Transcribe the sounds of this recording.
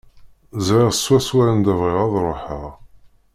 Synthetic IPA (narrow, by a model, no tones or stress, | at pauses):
zʕɪʁswæswæɾænd̪ævʁɪʁɑðˤɾˤoħəʁ